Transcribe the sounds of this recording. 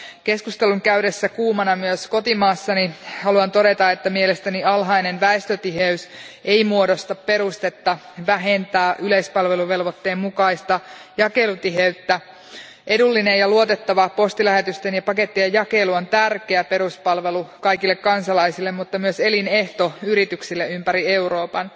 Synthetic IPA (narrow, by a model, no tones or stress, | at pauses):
ke̞skust̪eluŋkæyɾesːækuːmɑnɑmyøsko̞t̪imɑːsːɑnihɑluɑnt̪o̞ɾe̞t̪ɑet̪ːæmielest̪æniɑlɦɑinenʋæest̪øt̪iɦeys | ʔeimuodost̪ɑppe̞ɾust̪et̪ːɑ | ʋæɦent̪æːʔyleispɑlʋe̞luʋe̞lʋot̪ːeːmmukɑist̪ɑjɑke̞lut̪iɦeyt̪ːæ | ʔe̞dulːinejjɑluot̪et̪ːɑʋɑpo̞st̪ilæɦet̪yst̪enjɑpɑke̞t̪ːiɑjjɑkeluont̪ærkeæpe̞ɾuspɑlʋelukɑjkilːekkːɑnsɑlɑisilːemmut̪ːɑmyøseline̞ht̪o̞yɾit̪yksilːeympæɾie̞uro̞ːpɑn